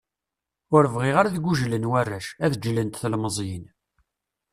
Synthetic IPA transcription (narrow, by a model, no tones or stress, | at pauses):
ʊɾəvʁiʁaɾaðɡʷuʒlənwærːæʃæðd͡ʒlənt̪θəlməzˤjin